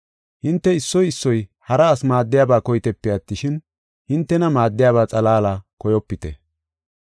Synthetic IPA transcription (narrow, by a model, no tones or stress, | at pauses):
hɪnt̪ːɛɪsːɔjɪsːɔjhɐɾɐːsmaːd̪ːɪjaːbaːkɔjt̪ɛpːɛɐt̪ːɪʃɪn | hɪnt̪ːɛnɐmaːd̪ːɪjaːβaːt͡sʼɐlaːlaːkɔjɔpːɪt̪ɛ̰